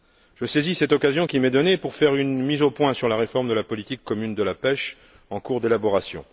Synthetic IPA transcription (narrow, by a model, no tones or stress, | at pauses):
ʒ̥əsezisɛt̪ɔkazjɔ̃kʲimɛd̪ɔnepuʁfɛʁynmizopwɛ̃syʁlaʁefɔʁmd̪əlapɔlit̪ikːɔmynd̪əlapɛʃ | ɑ̃kuʁd̪elabɔʁasjɔ̰̃